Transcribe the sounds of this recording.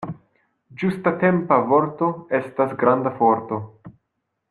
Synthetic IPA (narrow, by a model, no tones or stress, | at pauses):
d͡ʒustate̞mpavo̞ɾto̞e̞stasɡɾandafo̞ɾto̞